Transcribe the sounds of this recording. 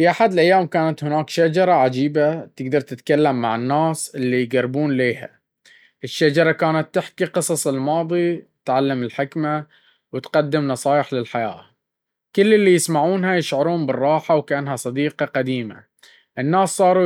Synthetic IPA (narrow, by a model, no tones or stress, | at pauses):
fiʔaħad̪ɪlʔajːaːmkaːnat̪hɪnaːkʃad͡ʒɑɾˤɑʕad͡ʒiːbat̪ɪɡd̪ɑɾˤt̪ɪt̪kalːamːaʕɪnːaːsʔɪlːijɡarːbuːnleːha̰ | ʔɪʃːad͡ʒɑɾˤɑkaːnat̪ːɪħkiqɨsˤɑsˤɪlmɑːðˤit̪ʕalːamɪlħɪkma | wt̪qad̪ːɪmnɑsˤɑːjɪħlɪlħaja̰ː | kʊlːɪlːijɪsmaʕuːnɦajɪʃʕʊɾuːmbɪrˤːɑːħawkaʔanɦasˤɑd̪iːqɑqad̪iːma̰ | ʔɪnːaːsːˤɑːɾˤu